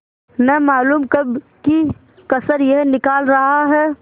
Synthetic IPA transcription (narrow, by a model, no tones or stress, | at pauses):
nɐɦmaːluːmkɐb | ki | kɐsəɾjɛɦnɪkaːlɾɐɦaɦɛː